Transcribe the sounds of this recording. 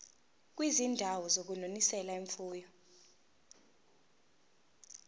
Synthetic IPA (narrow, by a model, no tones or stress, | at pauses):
k̬wizindʱawɔzok̬unonisɛlaiɱfuːjɔ